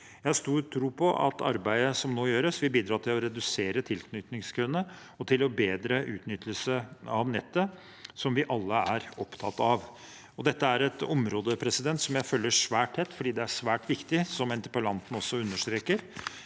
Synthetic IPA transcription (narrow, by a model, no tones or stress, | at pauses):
jæɪhɑʂt̪uːɾʈʰɾuːpʰɔʔɑ̰t̪ɑ̰ɾbæɪəsɔmnoːjøːɾəsʋɪlbiːd̪ɾɑːt̪ʰɪlɔɾɛd̪ʉseːɾət̪ʰɪlknʏt̪nɪŋskʰɾʉnːə | ɔt̪ʰɪlɔbeːd̪ɾəʔʉ̰ːt̪nʏt̪ʰːəlsəɑʋnɛt̪ːə | sɔmʋɪʔɑlːəæɾɔpt̪ʰɑt̪ːɑʋ | ɔd̪ɛt̪ːəæɾɛt̪ɔmɾoːd̪əpʰɾɛsɪd̪ɛnt̪sɔmjæɪfœlːəʂʋæːʈʰːɛt̪ːfɔɖiːd̪ɛæʂʋæːʈʋɪkt̪ɪsɔmɛnt̪ɪpʊlɑnt̪n̩ɔsːɔʉnːəʂʈ̪ɾeːkəɾ